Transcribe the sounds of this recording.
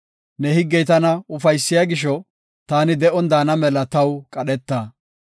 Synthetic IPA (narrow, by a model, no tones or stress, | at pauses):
nɛhɪɡːɛjt̪ɐnɐʊfɐjsːɪjaɡɪʃɔ | t̪aːnɪd̪ɛʔɔnd̪aːnɐmɛlɐt̪ɐwkʼɐɗɛt̪ːaː